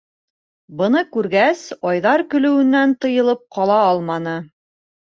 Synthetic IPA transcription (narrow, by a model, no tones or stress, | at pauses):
bɤ̆nɤkʉɾɡæsɒjðɑɾkɵ̆lɵ̆wɘ̆nːænt̪ɤ̆jɤ̆lˠɤp̚qɑlˠɑɑlˠmɑnɤ